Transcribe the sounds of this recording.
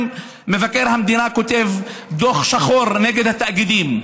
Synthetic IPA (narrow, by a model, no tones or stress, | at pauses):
mevakːeɾhamd̪inakot̪evd̪oχʃaxoɾneːɡed̪hat̪ːaʔɡid̪iːm